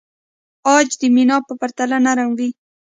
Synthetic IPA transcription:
ɑd͡ʒd̪əminɑpəpaɾt̪alanaɾaŋwi

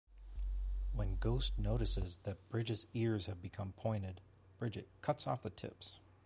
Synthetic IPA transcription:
wə̃nɡoʊstnoʊɾɨsɪzðɨt̚b̥ɹɪd͡ʒɨzɪɹz̥hɨvbɨkʰʌ̃mpʰɔ̃ɪ̃ñɨd̚ | b̥ɹɪd͡ʒɨt̚kʰʌtsɔ̰fðɨtʰɪ̰ps

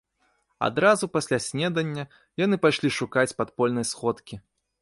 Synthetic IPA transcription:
a̰d̪ɾazupasʲlʲasʲnʲɛd̪ɐnʲːɐ | janɨpaʂlʲiʂukat͡sʲpat̪pɔlʲnɐjsxɔt̪kʲi

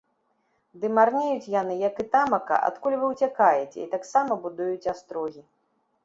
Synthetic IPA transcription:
d̪ɨmarnʲejut͡sʲjanɨjɐkɨt̪amɐkɐ̰ʔa̰t̪kulʲvɨwt͡sʲakajɛt͡sʲɛ̰it̪aksamɐbud̪ujut͡sʲast̪ɾɔɣʲi

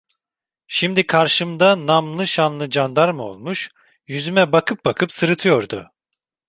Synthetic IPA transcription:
ʃimd̪ikʰaɾʃɯmd̪anamlˠɯʃanlˠɯd͡ʒand̪aɾmɯo̞̰lˠmuʃ | jyzymɛbakʰɯp̚bakʰɯpsɯɾɯt̪ʰɯjo̞ɾd̪ʊ

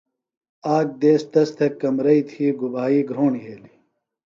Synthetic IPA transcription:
aːk̚d̪eːst̪ɐst̪ʰɐkːɐmɾɐit̪ʰiːɡubaːiːɡɾoːɳiɦeːli

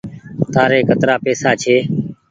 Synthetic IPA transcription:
t̪aːɾeːkʰət̪ɾaːpeːsaːt͡ʃʰeː

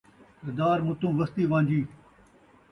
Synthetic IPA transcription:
ɪɾd̪aːɾmʊ̃t̪ũːʋɐst̪iːʋãːɲd͡ʒiː

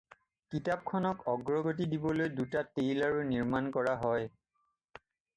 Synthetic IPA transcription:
kitap̚kʰɔnɔkɔɡɹɔɡotidibɔlojdutatejlaɹuniɹmankɔɹaɦɔj

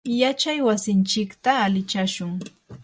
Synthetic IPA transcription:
jat͡ʃajwasɪnt͡ʃɪkt̪aːlɪt͡ʃaʃʊŋ

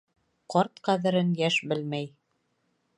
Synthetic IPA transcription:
qɑɾt̪qæðɘ̆ɾɘnjæʃbɘlmæj

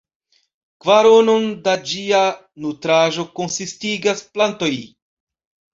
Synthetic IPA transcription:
kvaɾono̞ndad͡ʒia | nutɾaʒo̞ko̞nsistiɡasplanto̞j

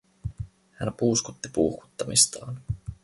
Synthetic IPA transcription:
hænpuːskut̪ːi̥puːxku̥t̪ːɑmist̪ɑ̰ːn

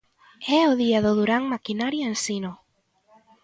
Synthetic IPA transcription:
ɛoðiaðoðuɾaŋmakinaɾjaensino

